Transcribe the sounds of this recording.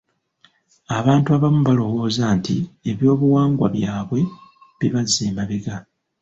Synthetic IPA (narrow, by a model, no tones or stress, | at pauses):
aβaːntuaβamuβalo̞wo̞ːzantḭe̞βjo̞ːβuwaːŋɡwa̰βjaːβwe̞ | βiβazeːmaβeɡa